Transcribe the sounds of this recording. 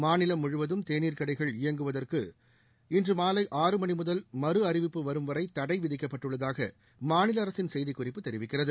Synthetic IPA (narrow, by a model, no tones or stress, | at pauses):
maːnɪlɐmʊɻɯʋɐðɯmt̪eːniːɾkɐɽɐɪɣɐɭɪjɐŋɡɯʋɐðɐrkɯ̰ | ɪndrɯmaːlɐɪʔaːrɯmɐɳimʊðɐlmɐɾɯɐrɪʋɪpːɯʋɐɾɯmʋɐɾɐɪt̪ːɐɽɐɪʋɪðɪkːɐpːɐʈːɯɭːɐðaːɣɐ̰ | maːnɪlɐːɾɐsɪnsɛjðɪkːʊrɪpːɯt̪ːɛɾɪʋɪkːɪrɐðɯ